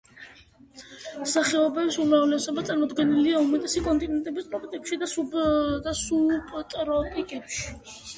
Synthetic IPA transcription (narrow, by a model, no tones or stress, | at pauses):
msaχɛɔbɛbsumɾavlɛsɔbat̪sʼaɾmɔd̪ɡɛniliaumɛt̪ʼɛsikʼɔnt̪ʼinɛnt̪ʼɛbist̪ʼɾɔpʰʼt̪ʼikʃid̪asubd̪asubt̪ʼɾɔpʼikʼɛpʃi̥